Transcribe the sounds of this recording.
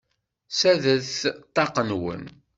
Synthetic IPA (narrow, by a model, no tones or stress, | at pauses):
sæðəθt̪ˤːɑqənwə̰n